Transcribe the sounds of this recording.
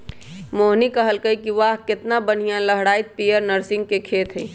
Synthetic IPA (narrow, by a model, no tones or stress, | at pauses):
moːɦnikɐɦəlkəikiʋaːɦkɪt̪nabən̤ijãləɦɽaːɪt̪̚piːəɾnəɾsɪ̃ŋɡ̚kekʰeːt̪ʰɦɛ̃ː